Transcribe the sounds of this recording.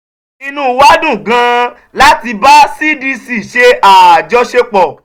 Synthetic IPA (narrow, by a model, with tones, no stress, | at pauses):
i˧nũ˦wa˦dũ˦˨ɡã˧˦ | la˦ti˧ba˦si˦di˧si˦˨ʃe˧a˨d͡ʒɔ˧ʃe˧k͡pɔ˨